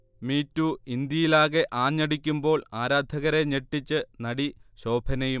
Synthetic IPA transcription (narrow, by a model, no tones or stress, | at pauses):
miːtːuind̪jɐjilaːɣe̞ʔaːɲːɐɽik̬ʲːumbo̞ːɭaːɾaːd̪ʱɐɣɐɾe̞ɲeʈːit͡ɕːɨnɐɽiɕo̞ːbʱɐnɐju